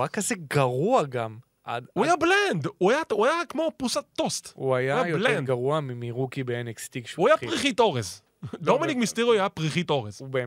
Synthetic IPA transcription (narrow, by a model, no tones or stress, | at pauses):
akːazeɡaʁuaɡam | ʔa̰d̪uajablend̪uajauajakmo̞pusat̪ːost̪uajaajajblendɡaʁuamimiʁukibeenekst̪ikʃuajapʁiχit̪o̞ʁez | d̪ominikmist̪eʁuajapʁiχit̪o̞ʁezube